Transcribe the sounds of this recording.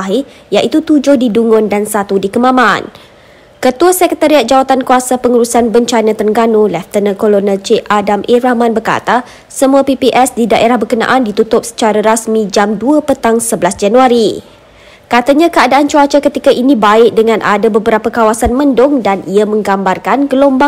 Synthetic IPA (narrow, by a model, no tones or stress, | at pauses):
ɦi | jaʔit̪ut̪ud͡ʒʊhdiduŋʊndansat̪udikəmãmãn | kət̪uasɛkət̪aɾiat̪̚d͡ʒawat̪ankuasapəŋuɾusanbəɲt͡ʃanãt̪əŋɡanulɛft̪ənəkolonɛlt͡ʃeʔadamʔiɾahmãnbərka̰t̪a | səmuapipiʔɛsdidaʔeɾahbərkənã̰ʔandit̪ut̪ʊp̚sə̥t͡ʃaɾaɾasmĩd͡ʒamduəpət̪aŋsəbəlasd͡ʒanuaɾi | kat̪aɲãkəadaʔant͡ʃuat͡ʃakət̪ikaʔinĩbaɪk̚dəŋãnʔa̰dabəbəɾapakawasanmə̃ndʊŋdaniamə̃ŋɡambarkanɡəlomba